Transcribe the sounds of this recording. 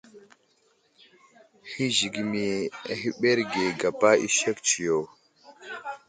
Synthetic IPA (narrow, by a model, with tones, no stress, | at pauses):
hi˦zi˨ɡi˨mi˨hi˦ɓe˦ɾɡe˨ɡa˨pa˦ḭ˦ʃe˦kt͡ʃi˨jo˨